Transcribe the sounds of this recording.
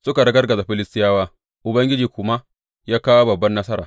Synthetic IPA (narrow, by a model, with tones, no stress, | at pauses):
sʊ˦ka˨ɽɐ˦ɡɐ˦rɡɐ˨za˨ɸɪ˦lɪ˦stɪ˦jaː˦waː˦ | ʔʊ˨bɐ˦ŋɡʲɪ˦d͡ʒiː˨kʷʊ˦ma˦ʔ | jaː˦kaː˦wa˦bɐ˨bːɐ˦nːɐ˦sɐ˦ɾaː˨